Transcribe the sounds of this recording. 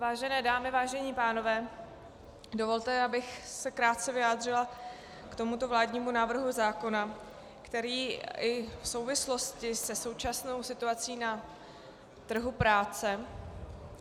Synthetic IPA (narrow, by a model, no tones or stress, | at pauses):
vaːʒɛnɛːdaːmɪvaːʒɛɲiːpaːno̞vɛː | do̞vo̞lt̪ɛabɪxsɛkɾaːt̪̚t͡sɛvɪjaːd̪r̝ɪla | kt̪o̞mut̪o̞vlaːdɲiːmunaːvr̩ɦuzaːko̞na | kt̪ɛɾiːɪfso̞wvɪslo̞scɪsɛso̞wt͡ʃasno̞wsɪt̪uat͡siːna | t̪r̩ɦupɾaːt͡sɛ